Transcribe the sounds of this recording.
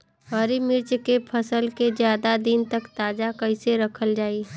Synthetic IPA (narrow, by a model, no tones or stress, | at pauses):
ɦəɾimɪɾt͡ʃkepʰɐsəlked͡ʒjaːd̪ad̪ɪnt̪ɐkt̪aːd͡ʒakɐɪseɾɐkʰəld͡ʒaːi